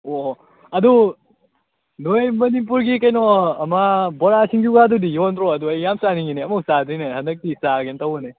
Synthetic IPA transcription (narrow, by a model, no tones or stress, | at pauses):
o | ɐdu | nojmɐnip̬uɾɡikɐjnɔɐmabɔɾasiŋɡuɡadudijɔntɾɔɐduɐjːamsaniŋineɐmuk̚sadɯjnehɐndɐk̚tisaɡentawne